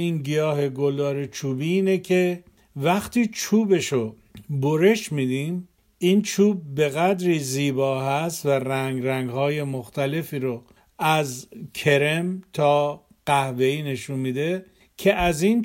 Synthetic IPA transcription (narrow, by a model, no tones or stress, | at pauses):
iːnɡijɒːɦe̞ɡolɒːɾet͡ʃʰuːbiːiːnecʰe̞ | væxt̪iːt͡ʃʰuːbe̞ʃo | boɾe̞ʃmiːd̪im | iːnt͡ʃʰuːb̚ːe̞ɣæd̪ɾiːziːbɒːɦæst̪væræŋɡɾæŋɡhɒːje̞moxt̪ʰæle̞fiːɾo | æzkʰe̞ɾemt̪ʰɒː | ɢ̥æhve̞iːne̞ʃunmiːd̪e̞ | cʰe̞ʔæzin